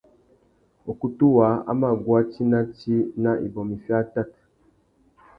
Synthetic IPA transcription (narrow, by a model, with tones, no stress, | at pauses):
o˨ku˦tu˦wa˨˦a̰˦ma˦˨ɡwa˦t͡ʃi˦na˦ti˦na˦ʔḭ˨bɔ˨mi˨fja˦ta˦˨t